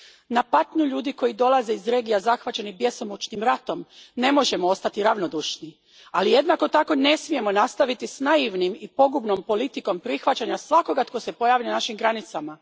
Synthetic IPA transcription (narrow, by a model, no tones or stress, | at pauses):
napat̪ɲuʎuːd̪iko̞jid̪o̞lˠaze̞izɾe̞ːɡijazaxʋat͡ɕe̞nibje̞somut͡ʃnimɾat̪o̞mne̞mo̞ʒe̞moo̞st̪at̪iɾaʋno̞d̪uʃni | alije̞d̪nako̞t̪ako̞ne̞smije̞mo̞nast̪aʋit̪isnaiʋnimipo̞ɡubno̞mpo̞lit̪iko̞mpɾixʋat͡ɕaɲasʋako̞ɡat̪ko̞se̞po̞jaːʋilenaʃimɡɾanit̪sama